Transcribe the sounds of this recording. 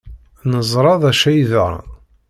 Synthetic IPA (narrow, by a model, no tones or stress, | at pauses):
nəzˤɾˤɑðˤæʃæjð̰ɾˤ